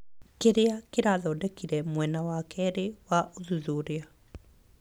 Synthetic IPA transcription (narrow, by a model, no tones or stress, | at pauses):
keɾeakeɾaðɔdɛkiɾɛmwɛnawaːkɛɾewaʔoðuðoɾea